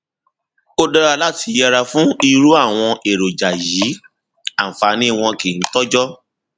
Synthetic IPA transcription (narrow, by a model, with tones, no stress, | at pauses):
o˦dɔ˧ɾa˧la˦ti˧jɛ˧ɾa˧fũ˦i˦˧ɾu˦a˦˨w̃ɔ̃˧e˨ɾo˨d͡ʒa˨ji˨˦ | ã˦˨fa˨˧nĩ˦˨w̃ɔ̃˧ke˨n̩˦tɔ˦d͡ʒɔ˦